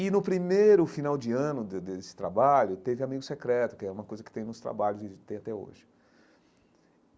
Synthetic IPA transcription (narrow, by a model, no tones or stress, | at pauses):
ɪnʊpɾimejɾʊfinawd͡ʒɪɐ̃nʊd̪d̪esɪ̥t̪ɾabaʎʊt̪evɪamiɡʊsekɾɛt̪ʊkɪɛũmɐkojzɐkɪt̪ẽj̃nʊst̪ɾa̰baʎʊsɪt̪ẽj̃at̪ɛo̰ʒɪ